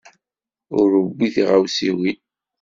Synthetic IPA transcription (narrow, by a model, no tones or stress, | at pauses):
ʊɾəbːiθiʁawsiwi